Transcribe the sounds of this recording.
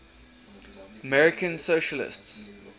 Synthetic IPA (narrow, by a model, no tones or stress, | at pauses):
əmɛɹɪkʰə̃nsoʃəlɪ̰sts